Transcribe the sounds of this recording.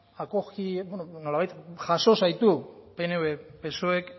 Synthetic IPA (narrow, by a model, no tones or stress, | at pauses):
akokibenono̞laβajt̪ʝaso̞sajt̪upeneβepe̞soek